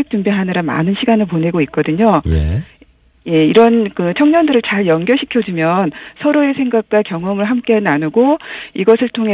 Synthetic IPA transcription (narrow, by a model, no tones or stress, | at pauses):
ek̚t͡ɕ͈umbeɦanɯɾama̰nɯnɕʰiɡanɯɭpone̞ɡoik͈ʌdɯɲo̰ | je̞iɾʌnkɯt͡ɕʰʌŋɲʌndɯɾɯɭt͡ɕaɭjʌnɡjʌɕʰi̥kʰjʌd͡ʑumjʌnsʰʌɾoe̞sʰe̞ŋɡak̚k͈wakjʌŋʌmɯɭɦamk͈enanuɡoiɡʌsʰɯɭtʰoŋɦe